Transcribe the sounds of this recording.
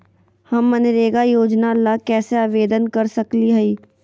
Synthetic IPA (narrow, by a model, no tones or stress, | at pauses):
hɐmːɐnɪɾeːɡajoːd͡ʒnalakɛːseaːʋeːd̪ənkɐɾsɐkliɦɐiː